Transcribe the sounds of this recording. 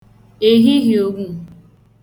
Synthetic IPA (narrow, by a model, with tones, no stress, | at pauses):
e˨ɦi˦ɣi˨o˦ɡʷu˦˨